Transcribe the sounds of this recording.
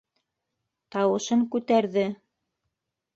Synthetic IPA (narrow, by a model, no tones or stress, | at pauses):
t̪ɑwɤ̆ʃɤŋkʉt̪æɾðɘ